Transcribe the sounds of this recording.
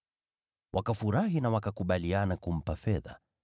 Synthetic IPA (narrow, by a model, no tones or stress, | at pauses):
wʔakafuɾaɦinawakakuɓalianakum̩pafɛða̰